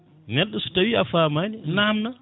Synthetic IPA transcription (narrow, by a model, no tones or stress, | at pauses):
nɛɗːɔsu̥tawiafamaninamna